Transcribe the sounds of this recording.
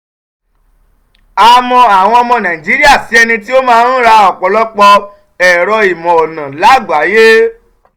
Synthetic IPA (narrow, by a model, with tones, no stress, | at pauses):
a˧mɔ̃˧a˨w̃ɔ̃˧ɔ˧mɔ̃˧nã˨ĩ˨d͡ʒi˨˦ɾi˦a˦˨si˨˦ɛ˧nĩ˧ti˦o˦mãː˦n̩˦ɾa˧ɔ˨k͡pɔ˨lɔ˦k͡pɔ˧ | ɛ˨ɾɔ˧i˨mɔ̃˨ɔ˨nã˨la˨˦ɡ͡ba˨˦je˦